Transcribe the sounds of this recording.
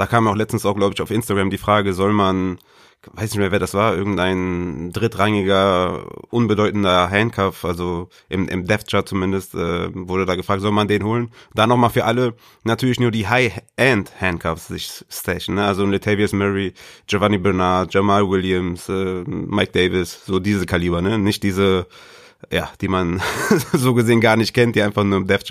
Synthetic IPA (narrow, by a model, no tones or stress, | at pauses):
d̥aːkʰaːmaʊxlɛt͡stn̩saʊxɡ̥laʊbəɪçaʊfʔɪnstaɡʁamdiːfʁ̥aːɡəzɔlman | vaɪsnɪçtmeːɐvɛːɐdasv̥aːɐʔɪɐɡŋ̩tʔaɪndʁɪtʁaŋɪɡɐʔʊnbədɔʏtn̩dɐɦɛntkʰaftʔalzo | ʔɪmʔɪ̰mdɛft͡ʃɐt͡sumɪndəstʔɛ̰ːvʊɐdədaːɡəfʁ̥aːk̚tz̥ɔlmandeːnɦoːlənd̥anɔχmaːlfyːɐʔalə | natʰyːɐlɪçnuːɐdiːɦaɪɛnthɛnkʰafsz̥ɪçstɛʃn̩nəʔalzonlɪtʰɛviəsmɛʁid͡ʒovanibɛɐnat̚d͡ʒ̥ɛmalwɪljəmsʔɛːmaɪk̚d̥eɪvɪsz̥oːdiːzəkʰaliːbɐnənɪçt̚d̥iːzə | ja̰ːd̥iːmanzoːɡəzeːənɡaːɐnɪçt̚kʰɛntd̥iːʔaɪnfaχnuːɐɪmdɛftt͡ʃ